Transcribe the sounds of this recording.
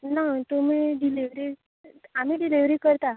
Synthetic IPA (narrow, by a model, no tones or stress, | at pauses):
nat̪umiɖiliʋɾi | am̤iːɖiliʋɾiːkəɾt̪a